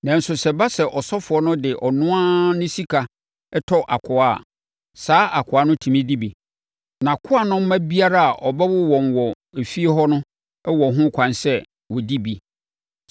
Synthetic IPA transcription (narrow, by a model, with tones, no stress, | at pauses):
nã˨n̩˨sʊ˨sɛ˨ba˦sɛ˨ʔɔ˨sɔ˦fʊ˨ɔ˦nʊ̃˦dɪ˨ʔɔ˨nʊ̃˦a˦nʊ̃˦si˦kʰa˨ | ɛ˦tʰɔ˦ʔa˨kʰʊ˨a˦˨ | saː˨˦ʔa˨kʰʊ˨a˦nʊ̃˦tʰĩ˨mĩ˦di˦bi˨ | nã˨kʰʊ˦a˦nʊ̃˦m̩˦mã˦bi˦a˦ɾa˦a˨ʔɔ˨bɛ˦wʊ˦wɔ̃˨nwɔ˨ | e˨fi˦e˦ɦɔ˦nʊ̃˦ | ɛ˦wɔ˨ɦʊ̃˦kʷʰã˨nsɛ˦ | wɔ˨di˦bi˨